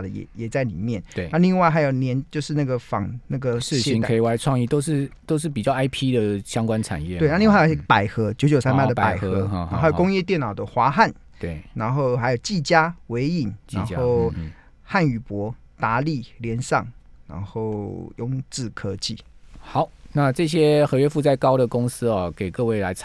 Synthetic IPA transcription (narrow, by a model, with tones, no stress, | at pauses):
də˨jɛ̰˨˩jɛ˨˩t͡sa˥˩ɪlḭ˨˩mjɛ˥˨ne˧˩a˥˧li˥˧ŋwa˥˩xa˧˥ɪjo˨˩ʊnjɛ˧˥nt͡ɕjo˥˧ʊʂɻ̩˥˧na˥˩ɡə˨fɑ̰˨˩ŋna˥˩ɡə˨ʂ̩˥˨ɕi˧ŋʰe˧i˨˩wa˥˧ɪt͡sʰwɑ˥˧ŋi˥˨t̪o˥ʊʂɻ̩˥˩t̪o˥ʊʂ̬ɻ̩˥˩p̬i˨˩t͡ɕjɑ˥˩ʊa˥ɪpʰi˦d̪ə˨ɕjɑ˦ŋkwa˦nʈ͡ʂʰa̰˨˩njɛ˥˨t̪we˥˨na˥˧li˥˧wjpa˨˩ɪxɤ˧˥t͡ɕjo˧˥ʊt͡ɕjo˨˩ʊsa˥npa˥˩də˩pa̰˨˩ɪxxɤ˧˦˧xa˧˦jo˨˩kʊ˥ŋjɛ˥˧t̪jɛ˥˩nɑ˨˩ʊd̪ə˨xwa˧˥xa˥˨n˩ | ɻa˧˥nxo˥˩ʊxa˧˥ɪjo˨˩ʊt͡ɕi˥˩t͡ɕja˥we˧˥ɪi˨˩na̰˧˦no˥˩ʊ | xa˥˩ny˨˩pwɔ˧˥ | t̪a˧˥li˥˩ljɛ˧˥nsɑ˥˨˩ŋɻa̰˧˥nxo˥˩ʊjʊ˥˧ŋt͡sɹ̩˥˩kʰɤ˧˥t͡ɕi˥˨xɑ˨˩˦ʊna˥˧ʈ͡ʂɤ˥˧ɕjɛ˦˥xɤ˧˥ɥɛ˥fu˥˧t͡sa˥˩ɪkɑ˥ʊd̪ə˨kʊ˥ŋs̩˥ɔ˨ke˨˩ɪkɤ˥˧we˥˩ɪla˧˦ɪ